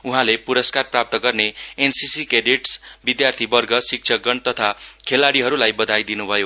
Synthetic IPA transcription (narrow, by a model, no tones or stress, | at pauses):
uɦãlepuɾʌskarprap̚t̪ʌɡʌrneensisikeɖiʈsbid̪jart̪ʰibʌrɡʌsik̚t͡ʃʰʌɡʌɳt̪ʌt̪ʰakʰelaɽiɦʌɾulajbʌd̪ʱajd̪inubʱʌjo